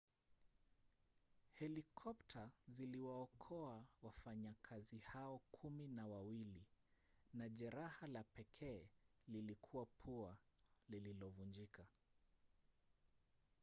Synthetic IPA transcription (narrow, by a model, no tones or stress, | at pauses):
hɛlikʰɔptʰaziliwaɔkʰɔawafaɲakʰazihaɔkʰuminawawili | naʄɛɾahalapɛkʰɛːlilikʰuwapʰualililɔvund͡ʒikʰa